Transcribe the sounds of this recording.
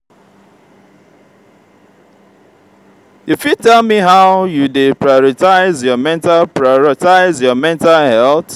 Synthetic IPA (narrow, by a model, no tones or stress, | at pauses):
ifitɛlmiɦaʊjudepɹajɔɾɪtaɪzjɔmɛ̃ntalpɹaɔɾɔtaɪzjɔmɛ̃ntalɦɛlt